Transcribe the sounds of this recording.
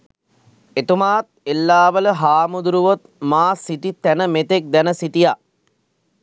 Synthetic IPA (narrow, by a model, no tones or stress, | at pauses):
et̪umaːt̪̚elːaːʋələɦaːmud̪uɾuʋot̪̚maːsiʈit̪ænəmet̪ek̚d̪ænəsiʈija